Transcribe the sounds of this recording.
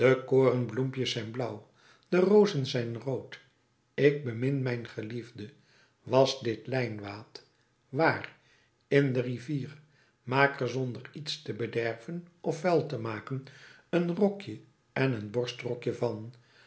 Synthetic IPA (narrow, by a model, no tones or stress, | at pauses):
d̥əkoːrənblumpjəsɛjnblʌw | d̥ərowzənzɛjnrowt | ɪk̚bəmɪnmɛjnχəlivdə | ʋɑzdɪtlɛjnʋaːt | ʋaːr | ɪndəriviːr | maːkərzɔndəritstəbədɛrvənɔfːɛlˠtəmaːkənənrɔkjə | ɛnənbɔɹstrɔkjəvɑn